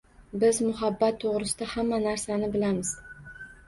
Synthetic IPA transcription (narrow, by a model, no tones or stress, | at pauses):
bɪzmʊɦabːat̪ʰːoʁɾɪsɪd̪ahamːanaɾsanɪbɪlamɪz̥